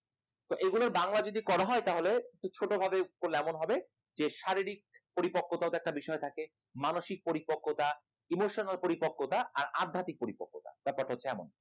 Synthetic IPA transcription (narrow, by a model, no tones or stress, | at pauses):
t̪oʔeɡuloɾbaŋlad͡ʑod̪ikɔɾaɦɔet̪aɦolet̪ut͡ɕʰoʈobʱabekoɾleɛmonɦɔbe | d͡ʑeʃaɾiɾik̚poɾipokːot̪aot̪ɛk̚ʈabiʃɔet̪ʰake | manoʃik̚poɾipokʰːot̪a | imoʃonalpoɾipokʰːot̪aʔa̰ɾad̪ʱːat̪ik̚poɾipokːot̪a̰bɛpaɾʈɦotːɕʰeɛmo̰n